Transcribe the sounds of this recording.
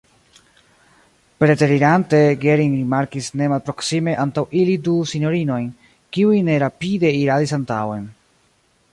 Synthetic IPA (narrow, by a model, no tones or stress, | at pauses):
pɾe̞teɾiɾante̞ɡeɾinɾimaɾkisne̞malpɾo̞ksime̞ʔantawʔilidusiɲo̞ɾino̞jn | kiujne̞ɾapide̞iɾadisantawe̞n